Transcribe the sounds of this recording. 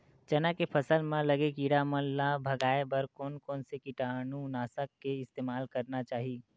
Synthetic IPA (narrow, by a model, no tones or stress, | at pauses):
t͡ʃɐnakepʰɐsəlmãlɐɡekiɽamə̃nːabʱɐɡaːebəɾkɔːnkɔːnsekiʈaːnũnaːsəkːeɪst̪eːmaːlkɐɾnat͡ʃaːɦi